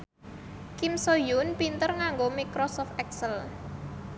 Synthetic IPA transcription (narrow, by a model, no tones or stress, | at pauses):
kimsojʊnpint̪ərŋaŋɡomikɾɔsɔft̪ɛksəl